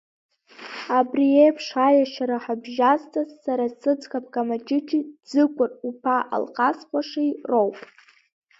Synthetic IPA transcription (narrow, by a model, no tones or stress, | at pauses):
abriejpʰʂajaʃaɾaħabʒaztʼazːaɾasɨd͡zkʰʼap̚ʰkʼamat͡ʃʼɪt͡ʃʰʼid͡zɨkʷʼʊrupʰaʔa̰lqʼasqʷʼaʂajrowpʼ